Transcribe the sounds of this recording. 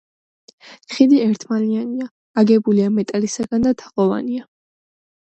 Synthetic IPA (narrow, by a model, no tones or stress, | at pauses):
t̪χid̪iɛɾt̪ʰmalianiaː | ɡɛbuliamɛt̪ʼalisaɡand̪at̪ʰḁqʼɔva̰nia